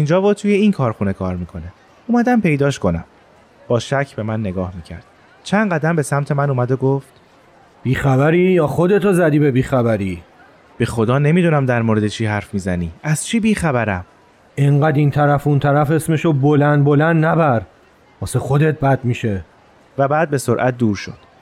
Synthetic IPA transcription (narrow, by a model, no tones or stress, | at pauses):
ind͡ʒɒːbɒt̪ʰuːje̞inkʰɒːɾxune̞kʰɒːɾmiːkʰo̞ne | uːmæd̪æmpʰe̞jd̪ɒːʃkʰo̞næ̰m | b̥ɒːʃæcʰbe̞mænːe̞ɡɒːhmiːcʰæ̰ɾd̪̥ | t͡ʃʰænɢæd̪æmbe̞sæmt̪ʰe̞mænuːmæd̪oɡoft̪ | b̥iːxæbæɾiːjɒːxod̪e̞t̪ʰozæd̪iːbebiːxæbæɾi | b̥e̞xo̞d̪ɒːne̞mid̪unæmd̪æɾmoːɾe̞d̪et͡ʃʰiːɦæɾfmiːzæniːæz̥t͡ʃʰiːbiːxæbæɾæm | eɴɢæd̪int̪ʰæɾæfunt̪ʰæɾæfe̞smeʃobolænd̪̚bolænd̪næbæɾ | vɒːsexod̪et̪̚ʰbæd̪miːʃe | væbæːd̪̚be̞soɾʔæt̪̚ʰd̪uːɾʃo̞̰d̪̥